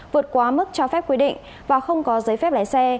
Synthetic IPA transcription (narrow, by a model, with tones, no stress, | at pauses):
vɨ˨˩ət̚kwaː˨˦mɨ˦˥k̚t͡ɕɔ˧fɛ˦˥p̚kwi˧ɗḭ˧˨ŋ̟ | vaː˨˩xə˧wŋ͡mkɔ˨˦zə˨˦jfɛ˦˥p̚laː˧˩jsɛ˧